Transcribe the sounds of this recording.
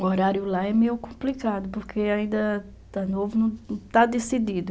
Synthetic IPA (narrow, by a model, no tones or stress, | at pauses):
oɾaɾjʊlaɛmejʊkõmplikad̪ʊpoɾkʰeaĩnd̪ɐ | t̪anovʊnɐ̃w̃t̪ad̪esid̪id̪ʊ